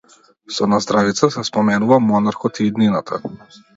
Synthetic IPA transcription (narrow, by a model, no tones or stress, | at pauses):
sɔnazd̪ɾavit̪sasɛspɔmɛnuvamɔnaɾkɔt̪iːd̪ninat̪ʰa̰